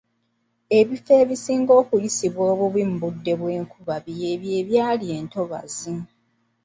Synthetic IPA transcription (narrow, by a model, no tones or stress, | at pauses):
e̞βife̞ːβisiːŋɡo̞ːkujisiβwoːβuβwimbudːe̞βwe̞ːŋkuβaβjeβje̞ːβjaːlie̞ːnto̞βa̰zi